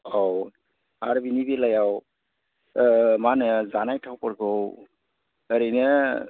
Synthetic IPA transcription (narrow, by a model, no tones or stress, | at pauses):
ɔw | aɾbinibelajaw | manəzanajtʰawpɔɾɡɯw | əɾɯjnɯ